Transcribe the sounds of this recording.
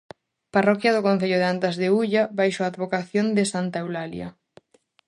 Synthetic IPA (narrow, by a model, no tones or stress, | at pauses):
parɔkjɐðʊkõnθeʎʊðeant̪azðeuʎabajʃoaːd̪βokaθjond̪ɪsant̪aewlalj̰ɐ̰